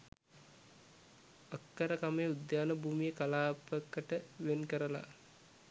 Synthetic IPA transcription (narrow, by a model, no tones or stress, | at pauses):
akːəɾəkamejud̪jaːnəbʱuːmijəkalaːpəkːəʈəʋenkəɾəla̰